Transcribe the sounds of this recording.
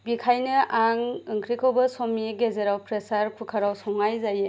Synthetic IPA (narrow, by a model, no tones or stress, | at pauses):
bikʰajnɯʔaŋɯŋkʰɾikʰɯwbɐsomːiɡezeɾawpʰɾesaɾpʰɯkʰaɾawsɔŋajzaje